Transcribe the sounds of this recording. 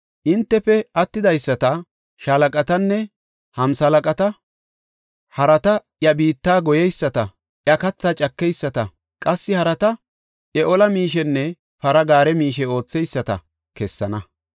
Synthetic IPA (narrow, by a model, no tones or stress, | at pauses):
ʔɪnt̪ːɛfɛɐt̪ːɪd̪ɐjsːɐt̪ɐ | ʃɐlɐkʼɐt̪ɐnːɛ | hɐmsɐlɐkʼɐt̪ɐ | hɐɾɐt̪ɐ | jɐbiːt̪ːaːɡɔjɛjsːɐt̪ɐ | ʔjɐkɐt͡sːaːt͡ʃʼɐkːɛjsːɐt̪ɐ | kʼɐsːɪhɐɾɐt̪ɐ | ʔɛʔɔlɐmiːʃ̬ɛnːɛ | pɐɾɐɡaːɾɛmiːʃɛo̞ːt͡sːɛjsːɐt̪ɐ̰ | kɛsːɐnɐ